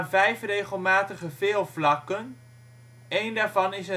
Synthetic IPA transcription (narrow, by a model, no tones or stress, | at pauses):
nvɛjfrejχəlˠmaːtəχəvɪːlˠvlɑkən | ejndaːɹvɑnɪsə